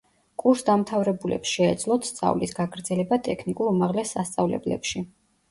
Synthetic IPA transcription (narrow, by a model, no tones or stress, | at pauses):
kʼuɾsd̪amt̪ʰavɾɛbulɛ̰psʃɛːd̪zlˠɔt̪st̪sʼa̰vlisɡaɡɾd̪zɛlɛbat̪ʼɛkʰnikʼuɾumaʁlɛsːast̪sʼavlɛ̰blɛ̰pʃi